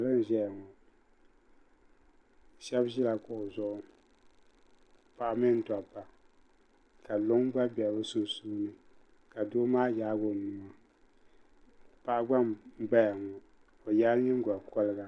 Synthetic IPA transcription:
lɨ˦n̩˨ʒɛ˦ja˨ŋɔ˨ | ʃɛ˦bʒi˦la˨kʊ˦˨ʔʊ˨zʊ˦ʔʊ˦ | pa˨ʔa˦mɨ˦n̩˨ta˨pːa˨ | ka˨lo˦ŋ˦ɡ͡ba˦bɛ˨bɨ˦su˦˨suː˦nɨ˨ | ka˨do˦maː˦jaː˦ɡo˦˨mu˨ma˨ | pa˨ʔa˦ɡ͡ba˦m˦ɡ͡ba˦ja˨ŋɔ˨ | o˨ja˦ɲɛ˦ŋ˦ɡa˨kɔ˦lɨ˦ɡa˦

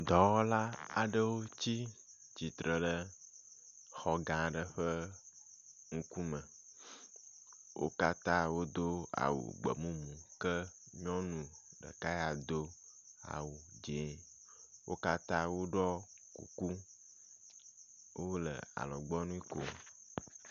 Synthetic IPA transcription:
d̪ɔ˨wɔ˦la˦a˨ɖə˦wo˦t͡ɕi˦ | d͡ʑi˨t̪ɾə˨ɖə˦ | xɔ˨ɡã˨ɖə˨ɸə˦ | ŋũ˦ku˦mə̃˨ | wo̰˦ka˦t̪ã˦wo˦d̪o˦a̰˨wṵ˨ɡ͡bə̰˨mũ˦mũ˨kə˦ | ɲɔ̃˦nũ˨ɖə̰˨ka˦ja˨d̪o˦ | a̰˨wu˨d͡ʒe˨˦ | wo˦ka˦t̪ã˦wo˦ɖɔ˦ | kṵ˨ku˦ | wo˦lə̰˨a̰˨lɔ˨ɡ͡bɔ˦nũ˦i˦ko̰˨

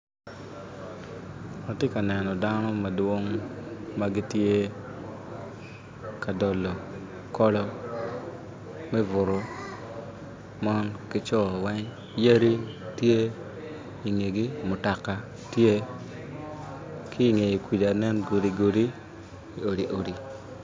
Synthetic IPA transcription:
a˨tje˦ka˨nɛ˨nɔ˨da˦nɔ˦ma˨dwo˦ŋma˦ɡi˦tje˦ | ka˨dɔ˨lːɔ˨ | kɔ˦lɔ˦ | mɛ˦vʊ˨ɾʊ˨ | mɔ˦nkɪ˦t͡ʃɔ˦˨wɛ˦ŋ | ja˦ɾi˦tje˦ | i˨ŋe˨ɡi˦mʊ˨ta˨ka˨ | tje˦ | kʰi˦˨ŋe˨i˨kwi˨da˨nɛ˦nɡo˨di˨ɡo˨di˦ | i˨o˨ɾi˨ʔo˨ɾi˨

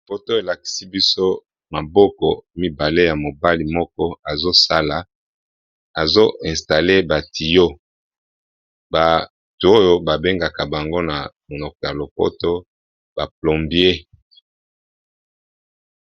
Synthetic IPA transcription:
o˨po˦to˦e˨la˨ki̥˨si˦bi˦so˦ | ma˨bɔ˦kɔ˨mi˦ba˨le˦ja˨mo˨ba˦li˨mɔ˦kɔ˦a˨zo˦sa˦la˨ | a˨zo˦ʔɛ˨sta˨le˦ba˨tʰi˨jo˦ | ba˨ | tu˨˦o˦jo˦ba˨be˦ŋɡa˨ka˨ba˨ŋɡo˦na˨mo˨lo˨kɔ˨ja˨lo˨po̰˦to˦ | b̥a˨plo˨mbi˦e˦

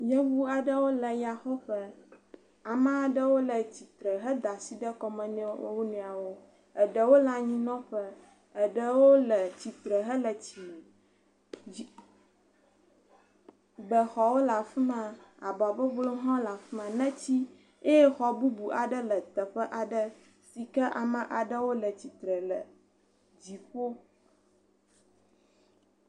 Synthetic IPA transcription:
jə˦wu˦a˨ɖə˦wo˦lə˨ja˨xɔ˦ɸə˦ | a˨mã˦a˨ɖə˦wo˦lə˨t͡ɕi˨t̪ɾə˨ɦə˦d̪a˨si˦ɖə˦kɔ˨mə̃˨nɛ̃˦wo̰˦wo˦nũ˨a˨wo˦ | ə˨ɖə˨wo˦la˦ɲĩ˦nɔ̃˦ɸə˦ | ə˨ɖə˦wo˦lə˨t͡ɕi˨t̪ɾə˨ɦə˦lə˨t͡ɕi˨ | i˨ | bə˨xɔ˨wo˦la˨fi˦mã˨a˨ba˨bə˦vlo˦ɦɔ̃˦la˨fi˦mã˨nɛ̃˦t͡ɕi˦ | e˦je˦xɔ˨bu˦bu˨ʔa˨ɖə˦lə˨t̪ə˨ɸə˦ʔa˨ɖə˦ | si˨kə˦ʔa˨mə̃˨ʔa˨ɖə˦wo˦lə˨t͡ɕi˨t̪ɾə˨lə̰˨ | d͡ʑi˨ɸo˦

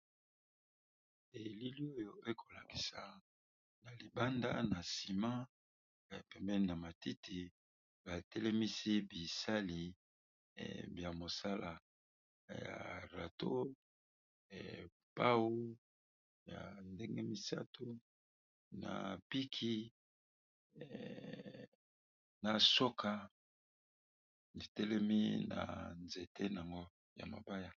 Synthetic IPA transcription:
e˨li˦li˦o˦jo˦e˦kʰo˨la˨ki˨sa˨ | na˨li˨ba˦nda̰˦na˨si˨mã˦˨ | pɛ˨mbɛ˦i˦na˨ma˨ti˦tʰi˨ | ba˨tɛ˦lɛ˦mi˦si˦bi˨sa˦lḭ˨ | bja˨mo˨sa˦la˨ | ja̰˨ʁa˨to˦˨ | pa˦wo˦ | ja˨nde˦ŋɡe˦mi˨sa˦to˨˦ | na̰˨pi˦kʰi˦ | na˨so˦kʰa˨ | ni˨tɛ˦lɛ˦mi˦na̰˨nze˨tʰe˦n˨a˨ŋɡo˦ | ja̰˨ma̰˨ba˦ja˦

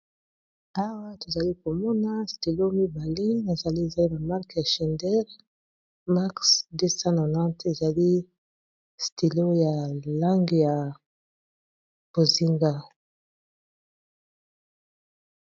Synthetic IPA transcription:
a˦wa˦to˨za˨li˦ko˨mɔ˦na˦sti˨lo˦mi˦ba˨le˦na˨za˨li˦e˨za˨li˦ba˨ma˦ʁkja˨ʃɛ˨ndɛ˦ʁ | ma˦ksde˦sa˦no˨nã˦te˨za˨li˦ | sti˨lo˦ja˨la˦ŋɡe˨ja˨ | b̥o˨zi˦ŋɡa˦

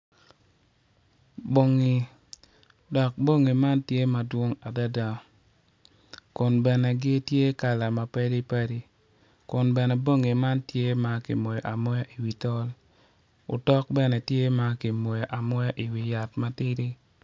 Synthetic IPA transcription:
bo˨ŋi˨ | dɔ˨k̚bo˦ŋi˨ma˦ntje˦ma˨dwo˦ŋa˨da˦da˨ | kʊ˨nbɛ˨nɛ˨ɡɪ˦tje˦ka˨la˨ma˨pɛ˦di˦pa˦ɾi˦ | kʊ˨nbɛ˨nɛ˨bo˦ŋi˨ma˦ntje˦ma˨kɪ̰˨mo˨jɔ˨ʔa˨mɔ˦ja˦ʔi˨wi˨tɔ˦l | ʊ̰˨tɔ˦k̚bɛ˦nɛ˨tje˦ma˦kɪ˨mo˨jɔ˨ʔa˨mɔ˦ja˦ʔi˨wi˨ja˨tma˦tɪ˦ɾɪ˦

